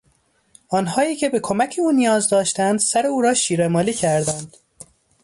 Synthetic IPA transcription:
ɒːnɦɒːiːcʰe̞be̞kʰomæcʰeuːnijɒːzd̪ɒːʃt̪ænd̪̥sæɾeuːɾɒːʃiːɾemɒːliːcʰæɾd̪ænd̪̥

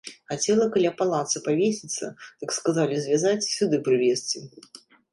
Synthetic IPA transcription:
xat͡sʲɛlˠɐkalʲapalˠat̪sɨpavʲesʲit̪sːɐ̰d̪t̪ɨkskazalʲizʲvʲazat͡sʲsʲud̪ɨpɾɨvʲesʲt͡sʲi

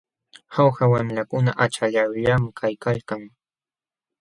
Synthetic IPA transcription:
xawxawamlakʊnaʔat͡ʃaʎawʎamɪkʰajkalkaŋ

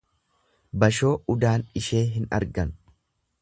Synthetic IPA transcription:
bɐʃo̞ːʊd̪aːnɪʃe̞ːɦɪnɐ̰ɾɡɐn

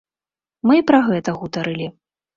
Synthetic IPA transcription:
mɨpɾɐɣɛt̪ɐɣut̪ɐɾɨlʲi

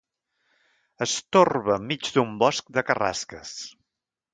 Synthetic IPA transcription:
əst̪orβəːmːid͡ʒd̪umbɔsk̚d̪əkəra̰skəs

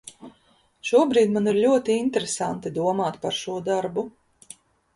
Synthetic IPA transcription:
ʃuɔbɾiːd̪maniɾlʲuɔt̪iint̪ɾesant̪id̪uɔmaːt̪paɾʃuɔd̪aɾbu

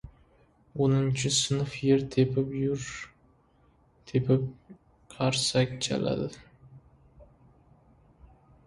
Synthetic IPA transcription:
onɪnt͡ʃʰɪsɨnʊfjeɾt̪ʰepʰɪpjʊɾ | t̪ʰepʰɪp̚ | qʰɑɾsak̚ʲt͡ʃʰa̰la̰d̪ɪ

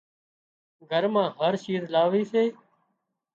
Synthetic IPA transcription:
ɡʱəɾmãːɦəɾʃiːɾlaːʋiːseː

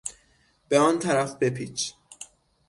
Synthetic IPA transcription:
b̥eɒːnt̪ʰæɾæfbepʰiːt͡ʃʰ

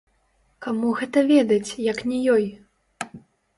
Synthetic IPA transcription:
kamuɣɛt̪ɐvʲɛd̪ɐt͡sʲjɐknʲɛjɔj

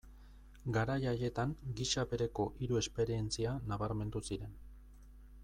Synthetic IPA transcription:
ɡaɾajaje̞t̪aŋɡiʃaβe̞ɾe̞ko̞ʔiɾue̞spe̞ɾie̞nt͡sianaβaɾme̞nd̪usiɾe̞n

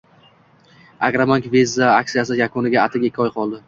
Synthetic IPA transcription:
a̰kɾamankvizːaak̚t̪ijas̬ɪjakʰʊnɪɡʲaat̪ʰɪɡʲakʲʰːɒjqʰɒlˠd̪ɪ

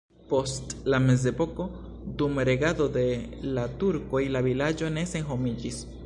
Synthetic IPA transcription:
po̞stlame̞s̬epo̞ko̞ | d̪umɾe̞ɡad̪o̞d̪e̞lat̪uɾko̞ilavilad͡ʒo̞ne̞se̞ŋɦo̞mid͡ʒis

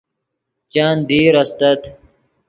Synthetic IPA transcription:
t͡ɕaːnd̪iːɾɐst̪ɐt̪

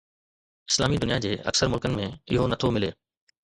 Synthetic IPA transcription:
ɪ̥slaːmid̪ʊnijad͡ʑeːɐ̰ksəɾmʊlkənɪ̆mẽɪɦonɐt̪ʰomɪleː

